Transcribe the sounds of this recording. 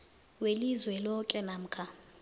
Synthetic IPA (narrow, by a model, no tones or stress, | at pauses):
welizwɛlɔkʼɛnam̩kʰa